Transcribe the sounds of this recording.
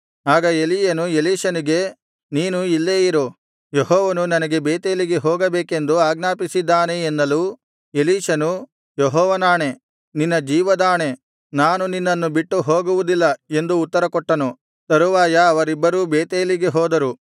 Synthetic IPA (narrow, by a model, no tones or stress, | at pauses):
aːɡɐelijɐnueliːʃɐniɡe̞ | niːnuilːeːjiɾo | jeɦɔːʋɐnunɐnɐɡe̞beːt̪eːliɡe̞ɦoːɡɐbeːke̞nd̪uaːɡnaːpisid̪ːaːneːnːɐlu | eliːʃɐnu | jɔɦɔːʋɐnaːɳe̞ | ninːɐd͡ʒiːʋɐd̪aːɳe̞ | naːnuninːɐnːubiʈːuɦoːɡuʋud̪ilːɐe̞nd̪uːt̪ːɐɾɐkɔʈːɐnu | t̪ɐɾuʋaːjɐːʋɐɾibːɐɾuːbeːt̪eːliɡe̞ɦɔːd̪ɐɾu